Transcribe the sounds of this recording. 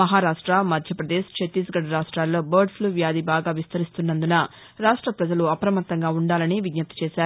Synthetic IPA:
mɐɦaːɾaːʂʈɾamɐd̪ʱjɐpɾɐd̪eːʃt͡ʃʰet̪iːsɡɐɽɐɾaːʂʈɾaːlːo̞ːbɐːɾɖpʰluːʋjaːd̪ibaːɡaːʋist̪ɐɾist̪unːɐnd̪unɐ | ɾaːʂʈɾɐpɾɐd͡ʒɐluɐpɾɐmɐt̪ːɐŋɡaːuɳɖaːlɐniʋiɡnɐt̪ːɐ̥t͡ʃɛːʃaːɾu

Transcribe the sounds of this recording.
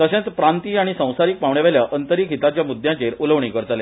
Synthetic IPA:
t̪əɕẽt͡s̪tpɾant̪iːaɽ̃isə̃w̃saɾiːk̚paʋɳjaʋaljaʔənt̪əɾiːkɦit̪at͡ɕjamud̪jãt͡ɕeɾuləʋɳiːkəɾt̪ale

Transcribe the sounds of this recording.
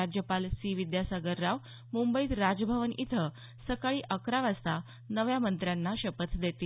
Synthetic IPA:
ad͡ʑjəpalsiʋid̪jasaɡəɾːaʋ | mumbəiːt̪ɾad͡zbʱəʋənʔḭt̪ʰə | səkaɭiːʔəkɾaʋast̪a | nəʋjamənt̪ɾjanːaɕəpət̪d̪et̪iː

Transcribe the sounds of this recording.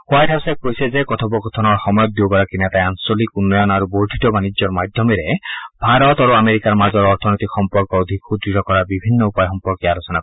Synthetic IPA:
huajʈʰasapojsezekɔt̪ʰɔbɔkɔt̪ʰɔnɔɹxɔmɔjɔt̪̚d̪iokaɾakinat̪ajansɔlikunːɔjɔnaɾubowʈitɔbanid͡ʒɔɹmad̪ʱjɔmeɾebʱaɾɔt̪aɾuameɾikaɾmazɔɹɔɾt̪ʰɔnojt̪ikxɔmpɔɾkɔːd̪ʱikxud̪ɾitɔkɔɾabibʱinːɔupajɔxɔmpɔɾkialɔsɔna

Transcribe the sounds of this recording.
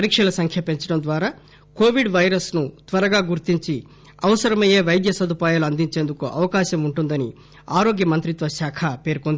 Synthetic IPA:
ɐɾikʂɐlɐsɐŋkʰjɐpeɲt͡ʃɐɽɐmd̪ʋaːɾaː | ko̞ːʋiɖʋɐjɾɐsnut̪ʋɐɾɐɡaːɡuɾt̪iɲt͡ʃi | ɐʋɐsɐɾɐmɐjeːʋɐjd̪jɐsɐd̪upaːjaːluɐnd̪iɲt͡ʃe̞ːnd̪ukuʔɐ̰ʋɐkaːʃɐmuɳʈund̪ɐni | aːɾoːɡjɐmɐnt̪ɾit̪ʋɐʃaːkʰɐpe̞ːɾkond̪ii

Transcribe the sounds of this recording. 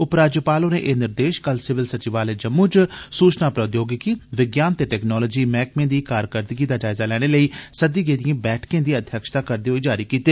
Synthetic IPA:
ʊpɾaːd͡ʒəpaːlõːnḛːʔeːnɪɾd̪eːʃkəlsɪʋɪlsət͡ʃɪʋaːleːd͡ʒəmːuːt͡ʃsuːt͡ʃnaːpɾəd̪joːɡɪkiːʋɪɡjaːnt̪eːʈɛːknɔːlɔːd͡ʒiːmɛːkmẽːd̪iːkaːɾkəɾt̪ɪɡiːd̪aːd͡ʒaːɪzaːlɛːɽ̃eːləiːsəd̪iːɡeːd̪iãːbɛːʈʰkẽːd̪iːəd̪ʱjəkʃt̪aːkəɾd̪eːɦoiːd͡ʒaːɾiːkiːt̪eː

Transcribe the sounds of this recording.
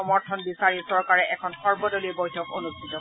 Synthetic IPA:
ɔmɔɹtʰɔnbisaɹisɔɹkaɹɛʔɛkʰɔnxɔɹbɔdolibɔjtʰɔko̰nustʰitɔ

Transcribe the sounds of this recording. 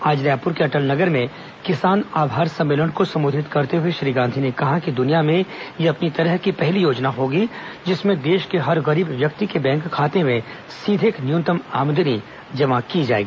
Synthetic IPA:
aːd͡ʒɾjaːpʊɾkeɐʈəlnɐɡəɾmẽ | kɪsaːnaːbʱaːɾsɐ̃mːeːləɳkosɐ̃mbʊːd̪ʱɪt̪kɐɾt̪eɦʊeʃɾiːɡãːnd̪ʱinekɐɦakid̪ʊnijamẽjeɐpnit̪ɐɾəɦkipɛɦlijoːd͡ʒnaɦoːɡid͡ʒɪsmẽd̪eːʃkeɦɐɾɣɐɾiːbʋjɐk̚t̪ikebɛ̃ːŋkʰːaːt̪emẽ | siːd̪ʱɪknjũːnt̪əma̰ːmd̪əni | d͡ʒɐmakid͡ʒa̰ːḛːɡiiː

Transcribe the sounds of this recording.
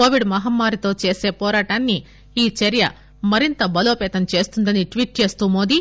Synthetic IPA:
oːʋiɖmɐɦɐmːaːɾit̪o̞ːt͡ʃe̞ːse̞ːpɔːɾaːʈaːnːiː | t͡ʃɐɾjɐ̰ | mɐɾint̪ɐbɐlo̞ːpɛːt̪ɐmt͡ʃe̞ːst̪und̪ɐniʈʋiːʈ̚t͡ʃe̞ːst̪uːmo̞ːd̪i

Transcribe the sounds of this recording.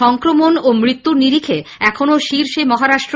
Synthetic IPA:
ɔŋkɾomonomɾit̪ːuɾniɾikʰeɛkʰonoʃiɾʃemɔɦaɾaʃʈɾo

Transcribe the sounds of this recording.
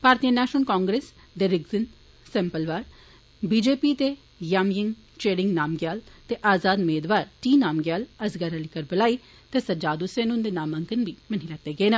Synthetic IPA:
paːɾt̪ijənɛːʃnəlkɔːŋɡɾeːs | d̪eːɾɪɡzɪn | sɛ̃ːmpəlʋaːɾ | biːd͡ʒeːpiːt̪eː | jaːmjɪŋɡ | t͡ʃeːɾɪ̃ŋɡnaːmɡjaːlt̪eːʔaːzaːd̪meːd̪ʋaːɾʈiːnaːmɡjaːləsɡaɾəlikəɾbəlaːiː | t̪eːsəd͡ʒaːd̪useːnʊ̃nd̪eːnaːməŋkənʋiːməniːlɛt̪eːɡeːnə

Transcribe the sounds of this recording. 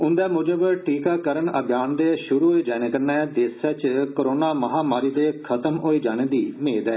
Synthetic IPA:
ʊnd̪aːmʊd͡ʒəbʈiːkaːkəɾəɳəɡjaːnd̪eːʃʊɾuːɦoːiːd͡ʒaːñẽːkənɛːd̪eːsaːt͡ʃkoɾoːnaːməɦaːmaːɾiːd̪eːkʰət̪əmoːiːd͡ʒaːñeːd̪iːmeːd̪ɛː

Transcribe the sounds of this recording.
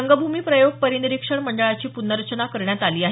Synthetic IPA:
əŋɡəbʱumiːpɾəjoɡ̚pəɾiniɾikʂəɳməɳɖəɭat͡ɕiːpunːəɾət͡ɕənakəɾɳjat̪aliːaɦ

